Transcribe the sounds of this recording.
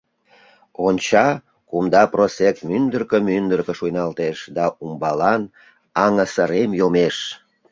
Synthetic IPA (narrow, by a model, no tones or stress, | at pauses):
onʲt͡ɕɑ | kumd̪ɑprosek̚t̪mynd̪ərkəmynd̪ərkəʃujnɑlt̪eʃd̪ɑumbɑlɑn | ɑŋəsəɾemjomeʃ